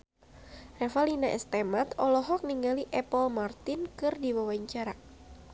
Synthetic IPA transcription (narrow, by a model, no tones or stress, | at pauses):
rɛfalinaʔɛ̰st̪ɛmat̪ɔlɔɦɔk̚niŋɡaliʔɛpɔlmart̪ɪnkɨrdiwawaɲt͡ʃaɾa